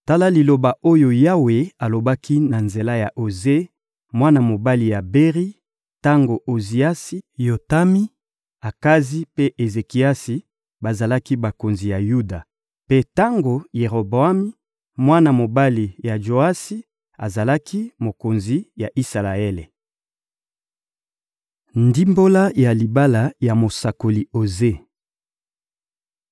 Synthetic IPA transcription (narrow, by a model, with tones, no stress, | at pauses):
ta˦la˦li˨lo˨ba˨o˦jo˨ja˦we˨a˨lo˨ba˦ki˦na˨nze˨la˦ja˨ʔo˨ze˦ | mwa˦na˨mo˨ba˦li˨ja˨be˦ʁi˦ | ta˦ŋɡo˨ʔo˨zi˨a˦si˦jo˨ta˦mi˦ | a˨ka˦zi˦pe˦ʔe˨ze˨ki˨˦a˦si˨ | ba˨za˨la˦ki˦ba˨ko˨nzi˨ja˨ju˦da˨ | pe˦ta˦ŋɡo˨je˨ʁo˨bo˨a˦mi˦ | mwa˦na˨mo˨ba˦li˨ja˨ʒo˨a˦si˦ | a̰˨za˨la˦kʰi˦mo˨ko˨nzi˨ja˨ʔi˦sa˨la˨e˦le˨ | ndi˦mbo˦la˦ja˨li˨ba˦la˨ja˨mo˨sa˨ko˨li˨o˨ze˦